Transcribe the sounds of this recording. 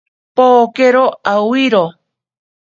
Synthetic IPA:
pokeɾoawiɾo

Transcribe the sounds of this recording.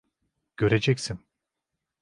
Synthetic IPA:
ɟ̥ø̞ɾed͡ʒɛcsin

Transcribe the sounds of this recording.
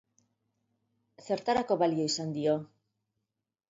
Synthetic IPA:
θe̞ɾt̪aɾako̞βalio̞isand̪io̞

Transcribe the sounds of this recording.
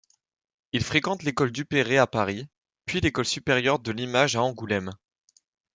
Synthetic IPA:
ilfχekɑ̃t̪lekɔld̪ypeʁeapaʁi | pɥilekɔlsypeʁjœʁd̪əlimaʒaɑ̃ɡulɛm

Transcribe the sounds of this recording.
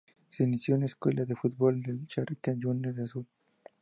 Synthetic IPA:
seinisjoneskwelaðefud̪̚bold̪elt͡ʃarikand͡ʒunːeðasul

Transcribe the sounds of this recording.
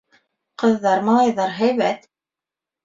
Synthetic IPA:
qɤ̆ðːɑɾmɑlˠɑjðɑɾɦæjβæt̪

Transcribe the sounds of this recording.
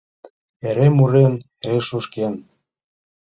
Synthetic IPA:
eɾemuɾen | ɾeʃuʃken

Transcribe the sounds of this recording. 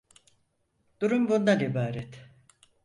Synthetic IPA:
d̪̥uɾumbund̪anibaːɾɛt̪

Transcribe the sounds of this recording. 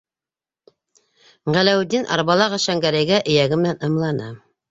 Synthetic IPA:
ʁælæwd̪inʔɑ̰ɾβɑlˠɑʁɑʃæŋɡæɾæjɡæʔɘ̆jæɡɘmɘ̆nænɤ̆mlˠɑnɤ

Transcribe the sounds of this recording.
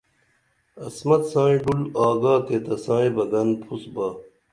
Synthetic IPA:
ɐsmɐt̪sãːĩɖulaːɡaːk̪eːt̪ɐsãːĩbɐɡɐnpʰusbaː

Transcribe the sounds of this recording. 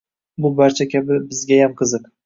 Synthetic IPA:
bʊbaɾt͡ʃʰakʲʰabɪbɪzɡʲajamqʰɨzɨq

